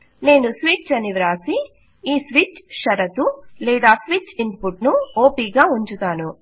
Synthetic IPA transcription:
ne̞ːnusʋiːt͡ʃt͡ʃɐniʋɾaːsi | iːsʋiːt͡ʃʃɐɾɐt̪ulɛːd̪aːsʋit͡ʃinpuʈnuoːpiːɡaːuɲt͡ʃut̪aːnu

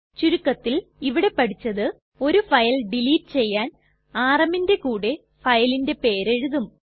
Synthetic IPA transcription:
t͡ɕuɾukːɐt̪ːiliʋiɽe̞pːɐɽit͡ɕːɐðɨ | o̞ɾufɐjɐlɖiliːʈːɨt͡ɕe̞jːaːn | aːrɐminde̞kuːɽe | fɐjɐlinde̞pe̞ːɾeɻuðum

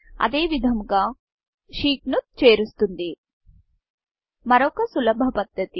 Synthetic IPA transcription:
ɐ̰d̪e̞ːʋid̪ʱɐmɡaː | ʃiːknut̪̚t͡ʃeːɾust̪und̪i | mɐɾɔkɐsulɐbʱɐpɐd̪ːɐt̪i

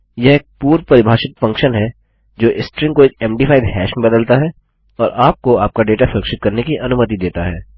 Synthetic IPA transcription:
jɐɦeːk̚puːɾpɐɾɪbʱaːʃɪt̪fɐ̃ŋkʃənɦɛ | d͡ʒoːʔɪsʈɾɪ̃ŋkoeːk̚ɛ̃ːmɖiːfʰaːɪd̪ɦɛːʃmebɐd̪əlt̪aɦɛ | ɔːɾʔaːp̚koaːp̚kaɖeːʈasʊɾɐkʃɪt̪̚kɐɾnekiʔɐnʊmət̪̬id̪eːt̪aɦɛː

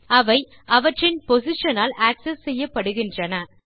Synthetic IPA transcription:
ɐʋɐɪ | ɐʋɐʈrɪnpɔsɪʂɐnaːlaːksɛsːɛjːɐpːɐɽɯɣɪndrɐnɐ

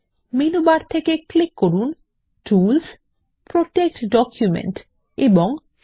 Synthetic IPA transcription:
minubaɾt̪ʰekeklikːoɾun | ʈuls | pɾot̪ek̚ʈɖɔkjumḛɳʈ | eboŋ

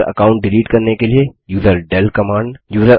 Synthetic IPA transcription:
ɾɐ̰kaːʊ̃ɳʈ̚ɖɪliːʈkɐɾnekeliejuːzəɾɖɛlkɐmaːɳɖjuːzəɾ

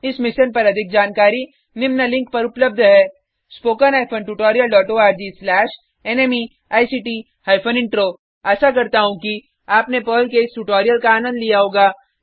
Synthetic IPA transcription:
ɪsmɪʃənpɐɾɐd̪ʱɪk̚d͡ʒaːnkaːɾi | nɪmnalɪ̃ŋk̚pɐɾʊpləb̚d̪ʱɦɛː | spoːkənɦaːjfʰəɳʈuʈɔːɾijəlɖɔːʈoaːɾd͡ʒiːslɛːʃ | ɛneːmi | aːjsiːʈiː | haːɪfʰənɪ̃ɳʈɾoː | ɛːsakɐɾt̪aɦũki | aːpnepəːlkeɪsʈuʈɔːɾijəlkaaːnə̃nd̪lijaɦoːɡaː

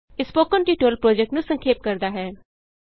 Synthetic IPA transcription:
ɪspoːkənʈiːʈoːlpɾoːd͡ʒɛk̚ʈnũsə̃ŋkʰeːp̚kəɾd̪aɦɛː

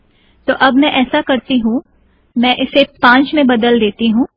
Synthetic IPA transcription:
t̪oːʔɐbmɛ̃ʔɛːsakɐɾt̪iɦũ | mɛ̃ːʔɪsepãːt͡ʃmẽbɐd̪əld̪eːt̪iɦũː

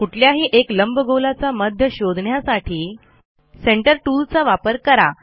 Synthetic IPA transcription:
kuʈʰljaɦiːʔekləmbəɡolat͡saməd̪ʱjəɕod̪ʱɳjasaʈʰiː | seɳʈəɾʈult͡saʋapəɾkəɾa̰

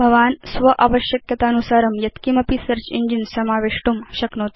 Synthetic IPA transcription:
bʱɐʋaːnsʋɐʔaʋəɕjɐkjɐt̪anusaːɾɐmjɐt̪kimɐpisɐɾt͡ʃḭɲd͡ʒinsɐmaːʋeʂʈumɕɐknoːt̪i

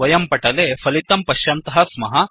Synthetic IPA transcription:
ɐjɐmpɐʈɐleːpʰɐlit̪ɐmpɐʃjɐnt̪ɐɦɐsmɐɦɐ

